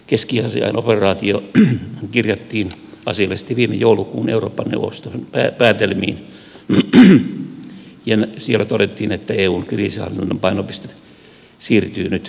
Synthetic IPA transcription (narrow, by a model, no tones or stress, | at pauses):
keskiɑsḭɑ̰inʔoperɑːt̪io | kirjɑt̪ːiːnɑ̰siɑlːesi̥t̪ːeʋiːmḛjoulukuːnḛuroːpːɑnːḛuʋo̰st̪opæːpæːt̪elmḭːn | jɑnsielːæt̪odet̪ːiːnet̪ːæeːuːnkriːsihɑ̰lːinnːompɑinopist̪e̥ | siːrt̪yːnyt̪